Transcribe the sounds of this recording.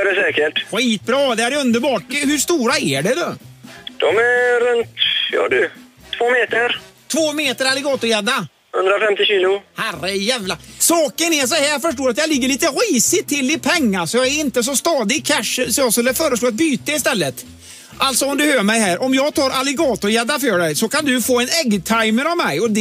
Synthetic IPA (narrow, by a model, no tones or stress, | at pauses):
ɖɛsɛːkəʈɧiːt̪̚bɾɑːd̪ɛæɾjɵnd̪əɾbɑːʈhʉʂt̪uːɾaæɖɛd̪ɔːd̪̥ɔmæɾɾɵnt̪jɑ̰ːd̪ʉt̪ʰːvoːmeːt̪əɾt̪ʰvoːmeːt̪əɾalɪɡɑːt̪ʊɾjeːd̪ːa | hɵ̰nd̪ɾafɛmt̪ɪɕiːlʊhærəjæːvlasɑːkənɛɾʂ̬ɔhæːɾjɑfœʂʈoːɾat̪̬jɑlɪɡːəɭiːt̪əɾiːsɪt̪ʰːɪlːɪpʰɛŋːasɔjɑːɡæɾɪnt̪əs̬ɔst̪ɑːd̪ɪkʰæʂəsɔɔsɛlːəfœːɾəsloːat̪̚byːt̪əɪst̪ɛlːət̪ | ʔalt̪sɔɔmd̪ɵhøːmɛjɦæːɾʔɔmjɑːɡt̪ʰɑːɾʔalɪɡɑːt̪ʊjɛd̪ːafœːɖɛjsɔkand̪ɵfoːɛnɛɡt̪ʰajməɾavmɛjɔd̪